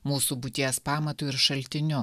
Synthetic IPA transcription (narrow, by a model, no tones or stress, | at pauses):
muːsuːbʊt̪ʲiɛspɑːmɐt̪uɪɾʃɐlʲt̪ʲɪnʲʊ